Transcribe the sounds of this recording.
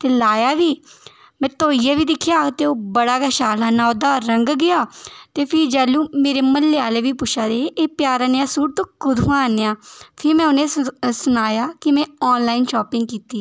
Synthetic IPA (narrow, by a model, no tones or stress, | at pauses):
t̪eːlaːjaːʋiː | mɛ̃ːt̪oːiːaːʋiːd̪ɪkʰːjaːt̪eːoːbəɽaːkɛʃaːlaːnãːoːd̪aːɾəŋɡɡɪaːt̪eːpʰɪɾd͡ʒɛːluːmeːɾeːməlːeaːleːʋiːpʊʃʰaːd̪eːʔeːpjaːɾaːneaːsuːʈ̚t̪õːkʊd̪ʱɦʊãːneːaːpʰɪɾmɛ̃ːʊnẽːsʊnaːjaːkɪmɛ̃ːɔːnlaːiːnʃɔːpɪ̃ŋɡkiːt̪iː